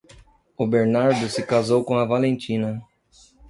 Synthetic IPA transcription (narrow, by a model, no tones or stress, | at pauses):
ʊbeɾnaɾd̪ʊsɪkazowkõɐvalẽnt͡ʃĩnɐ